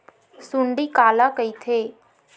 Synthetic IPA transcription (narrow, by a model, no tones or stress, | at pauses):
suɳɖikaːlakəit̪ʰeː